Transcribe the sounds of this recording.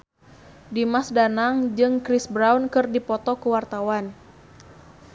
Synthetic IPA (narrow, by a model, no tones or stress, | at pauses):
dimasdanaŋd͡ʒɨŋkɾisbɾawnkɨrdipɔt̪ɔkəwart̪awan